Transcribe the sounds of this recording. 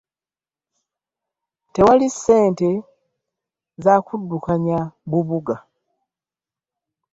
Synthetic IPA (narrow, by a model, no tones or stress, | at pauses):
te̞walisːe̞ːnte̞ | zaːkudːukaɲaβuβuɡa